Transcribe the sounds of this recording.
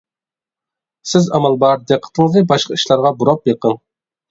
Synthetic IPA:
sɪzɑmɑlˠbɑɾd̪eqʰːə̥t̪ʰəŋəzɨbɑʃqɑi̥ʃlˠɑɾʁɑbuɾɑp̚jeqʰəŋ

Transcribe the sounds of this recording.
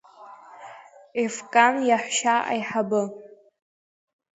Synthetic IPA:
ifkʼanjaħʷʃaʔa̰jħabɨ

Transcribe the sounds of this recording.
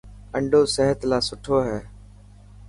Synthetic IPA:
əɳɖʱoːsəɦət̪laːsʊʈʰoːɦɛː

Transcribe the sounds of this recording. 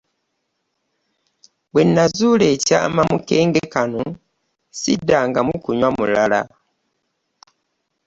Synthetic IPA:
wenːazuːleca̰ːmamuke̞ːŋɡekano | sidːaŋɡamukuɲwamulala̰

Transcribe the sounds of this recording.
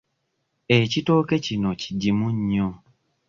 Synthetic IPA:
ecito̞ːke̞cinoci̥ɟimuɲːo

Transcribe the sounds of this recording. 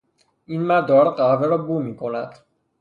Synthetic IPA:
iːnmæd̪ɒːɾɢæveɾɒːbuːmiːkʰo̞næd̪̥

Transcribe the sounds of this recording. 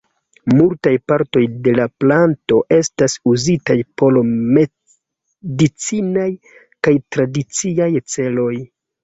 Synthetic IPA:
multajpaɾto̞jde̞laplanto̞ʔe̞stasuzitajpo̞lme | dit͡sinaj | kajtɾadit͡siajt͡se̞lo̞j

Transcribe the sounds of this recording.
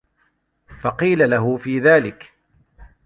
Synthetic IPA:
fɑqiːlalaɦʊfiːðaːlɪk

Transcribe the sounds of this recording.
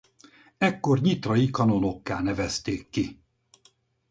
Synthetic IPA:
ɛkːo̞rɲit̪rɒjikɒno̞no̞kːaːnɛvɛst̪eːkːi

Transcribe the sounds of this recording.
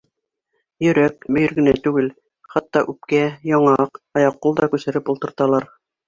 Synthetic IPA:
jɵ̆ɾækbɵ̆jɘ̆ɾɡɘ̆næt̪ʉɡɘl | χɑt̪ːɑʔʉpkæjɑɴɑɑqɑjɑqːulˠd̪ɑkʉsɘ̆ɾɘpulˠt̪ɤ̆ɾt̪ɑlˠɑɾ

